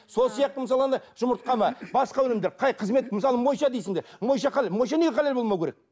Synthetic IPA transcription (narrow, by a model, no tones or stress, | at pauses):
solˠsijɑq̚t̪əməs̬ɑlˠɑnd̪ɑʒ̥ʊməɾt̪qɑmɑbɑsqɑwɵnɪmd̪eɾqʰɑjqʰəzme̞t̪̚məsɑlˠəmo̞jʃɑd̪ejsɪŋd̪eɾmo̞jʃɑqʰɑlelmo̞jʃɑne̞ɡʲeqʰɑlelbo̞lˠmɑwkʲʰeek